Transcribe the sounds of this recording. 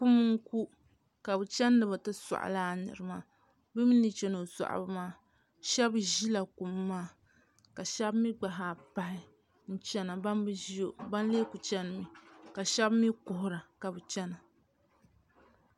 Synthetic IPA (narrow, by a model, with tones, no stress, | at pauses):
ku˦mɨ˦ŋ̩˦ku˦ | ka˨bɨ˨t͡ʃɛ˦nː˦ɨ˨bɨ˨tɨ˦sa̰˨ʔlaː˦˨nɨ̰˨ɾɨ˨maː˦ | bɨ˦mi˦ni˨t͡ʃɛ˦no˨sa̰˨ʔa̰˨bɨ˦maː˦ | ʃɛ˦bʒi˦la˨ku˨mː˦aː˦˨ | ka˨ʃɛ˦bmi˦ɡ͡ba˨ɦa˨pa˨hɪ˨ | n̩˦t͡ʃɛ˦na˨ba˦nbɨ˦ʒi˦jo˨ba˦n˦le˦ku˨t͡ʃɛ˦nɨ˨mi˨ka˨ʃɛ˦bmi˦kʊ˨hʊ˨ɾa˨ka˨bɨ˨t͡ʃɛ˦na˨